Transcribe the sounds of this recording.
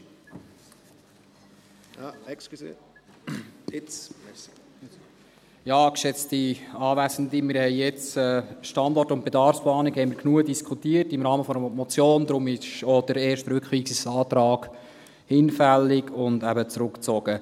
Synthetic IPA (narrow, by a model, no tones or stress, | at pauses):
sk | jɑːkʃɛt͡stiɑːvæsəndimɪɾhɛɪjɛt͡sɛːʃtɑndɔrtʊnt̚b̥edɑɾfsplɑːnɪkhɛɪmiɾknuədiskʰutiətɪmɾɑːməfɔəmɔt͡sjoːnd̪ɾʊmɪʃɔd̥əɾɛːɾʃtɾʏkχʋiːksisɑːt̪ɾɑːɡ̥ | hɪnfælːɪɡʊndæbət͡sɾʊkt͡sɔɡ̥ə